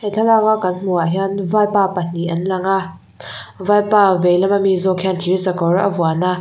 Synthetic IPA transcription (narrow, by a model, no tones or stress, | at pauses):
hɛtʰalaŋakɐnm̥uaɦanvajpapɐn̥iʔɐnlaŋa | vajpavejlɐmamizɔkʰantʰiɹisɐkɔɹʔɐvuana